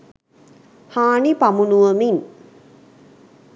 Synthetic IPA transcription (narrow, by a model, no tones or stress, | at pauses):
haːɳipamunuʋəmin